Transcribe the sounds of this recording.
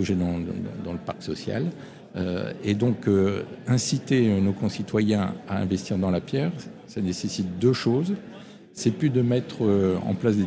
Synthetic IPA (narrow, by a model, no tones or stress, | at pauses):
ʒed̪ɑ̃d̪ɑ̃ləpaʁksɔsja̰l | ø̰ed̪ɔ̃køɛ̃sit̪enokɔ̃sit̪wajɛ̃aɛ̰̃vɛst̪iʁd̪ɑ̃lapjɛːʁ | sanesesit̪̚d̪øʃoːz | sɛpyd̪əmɛt̪χøɑ̰̃plasd̪e